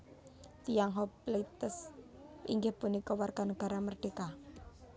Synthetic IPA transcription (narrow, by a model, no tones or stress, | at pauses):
t̪ijaŋɦɔplet̪əs | ḭŋɡɪhpunikɔwarɡ̥a̤nəɡ̥a̤ɾamərɖ̥eka